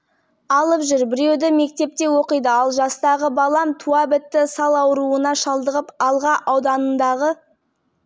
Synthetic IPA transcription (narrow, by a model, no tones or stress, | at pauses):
ɑlˠəpʒʏɾbɪɾe̞wd̪ɪme̞k̚t̪e̞p̚t̪e̞wo̞qəjd̪əɑlˠʒɑst̪ɑʁəbɑlˠɑmt̪ʰuabɪt̪ːɪsɑlˠɑwɾuənɑʃɑlˠd̪əʁəpɑlˠʁɑʔɑwd̪ɑnənd̪ɑʁə